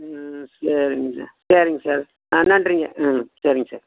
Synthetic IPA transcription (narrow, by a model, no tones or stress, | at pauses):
sɐɾɪŋɡɐsa̰ːɾsɐɾɪŋɡɐsaːɾ | anaɳɖɾiŋɡɐʔasɐɾɪŋɡɐsaːɾ